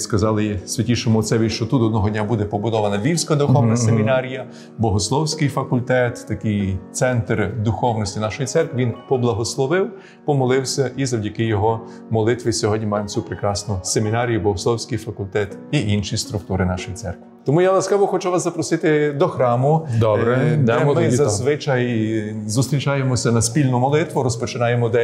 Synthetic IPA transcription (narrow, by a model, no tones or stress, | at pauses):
skɐzɑlˠɪsʲʋʲɐtʲiʃɔmʊɔt̪sɛʋʲiʃt͡ʃɔt̪ut̪ɔd̪nɔɦɔdʲnʲabud̪ɛpɔbʊd̪ɔʋɐnɐʋʲiwsʲkɐd̪ʊxɔwnɐsemʲinɑɾʲijɐ | bɔɦɔslˠɔwsʲkɪjfɐkʊlʲt̪ɛt̪ːɐkɪjt̪sɛnt̪rd̪ʊxɔwnɔsʲtʲinɑʃɔjit̪sɛrkʋʲiʋʲinpɔblˠɐɦɔslˠɔʋɪw | pɔmɔlˠɪwsʲɐʔizɐwdʲɐkɪjɔɦɔ | mɔlˠɪt̪ʋɪsʲɔɦɔdʲɲʲimɑjemt͡sʲupɾekɾɑsnʊsemʲinɑɾʲijʊbɔʋɔsˠɔwsʲkɪjfɐkʊlʲt̪ɛt̪iʔinʃist̪ɾʊk̚t̪uɾɪnɑʃɔjisɛ̰rkʋʲɪt̪ɔmujalˠɐsʲkɑʋɔxɔt͡ʃuʋɑszɐpɾɔsɪt̪ɪd̪ɔxɾɑmʊd̪ɔbɾɛd̪mɪzɐzʋɪt͡ʃɐjzʊst̪ɾʲit͡ʃɑjemɔsʲɐnɐsʲpʲilʲnʊmɔlˠɪt̪ʋʊɾɔspɔt͡ʃɪnɑjemɔd̪ɛ